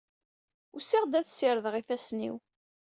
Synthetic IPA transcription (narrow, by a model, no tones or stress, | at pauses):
usiʁd̪æθsiɾəðʁifæsnḭw